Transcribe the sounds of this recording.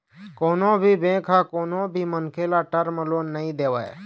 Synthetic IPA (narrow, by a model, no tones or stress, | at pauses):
koːnobʱibẽːkʰakoːnõbʱimənkʰeːlaʈəɾməloːnəĩd̪eːʋa̰ːḛ